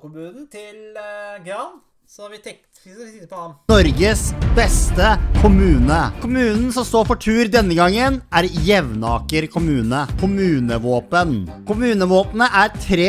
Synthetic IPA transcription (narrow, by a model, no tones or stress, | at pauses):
kʊmʉːɪlɡɑn | ɔɾɡəsbɛst̪əkʰʊmʉːnəkʰʊmʉːnn̩sɔmst̪oːfɔʈʰʉːɾd̪ɛnːəɡɑŋːənæɾjɛʋnɑːkəɾkʰʊmʉːnəkʰʊmʉːnəʋoːpənkʊmʉːnəʋoːpənəʔæɾt̪ʰɾeː